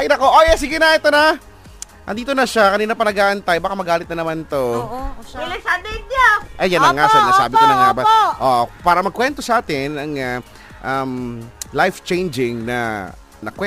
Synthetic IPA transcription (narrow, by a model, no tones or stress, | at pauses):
ʔajnɐkoʔojɛs̬ɪɡɪnɐʔɛt̪onɐ | ʔɐ̰nd̪iːt̪onɐʃakɐniːnɐpɐnɐɡaːʔɐnt̪ajbaːkamɐɡaːlɪt̪̚nɐnɐmant̪o | ɛlɐsad̪ɛd̪aʔɐjjanlɐŋːasɛɐnɐsaːbɪkonɐŋabaʔoʔopaːɾɐmɐɡ̚kwɛnt̪osɐʔaːt̪ɪnɐŋa | ʔamlajft͡ʃɛjnd͡ʒɪŋnɐ̰ | nɐkwɛ